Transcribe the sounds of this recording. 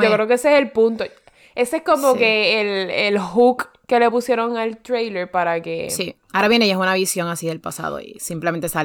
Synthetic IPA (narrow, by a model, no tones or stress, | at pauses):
okɾe̞okeeseeselpunt̪o | e̞sehko̞mo̞ke̞ːlelhuk | kːe̞le̞pusje̞ɾo̞ŋalt̪ɾejle̞ɾpaɾake̞ssiaoɾaβjeneiesunaβisjo̞ŋasiðe̞lpasa̰ðo̞̰ḭsimplement̪esa